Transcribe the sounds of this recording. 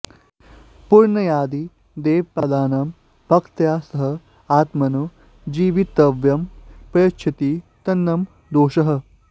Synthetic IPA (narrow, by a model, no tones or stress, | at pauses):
puɾɳɐjaːd̪i | d̪eːʋpɐd̪aːnɐm | pɐkt̪jaːsɐɦɐ | aːt̪mɐnu | d͡ʒiːʋit̪ɐʋjɐmpɐkt͡ʃʰɐt̪it̪ɐnːɐm | d̪oːʃɐɦɐ̆